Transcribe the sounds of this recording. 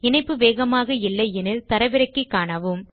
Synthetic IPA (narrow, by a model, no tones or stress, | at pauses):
ɪnɐɪpːɯʋeːɣɐmaːɣɐɪlːɐɪɛnɪlt̪ɐɾɐʋɪɾɐɪkːɯkːaːɳɐʋɯm